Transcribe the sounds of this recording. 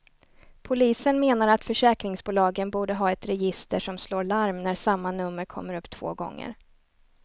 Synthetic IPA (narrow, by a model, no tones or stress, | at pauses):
pʰʊliːsənmeːnaɾat̪fœʂɛːkɾɪŋsbuːlɑːɡənbuːɖəɦɑːɛt̪ɾɛjɪst̪əʂɔmsloːɾɭaɾmnæɾsamːanɵmːəɾkʰɔ̰mːəɾɵpːt̪ʰv̥o̰ːɡɔ̰ŋːə̰ɾ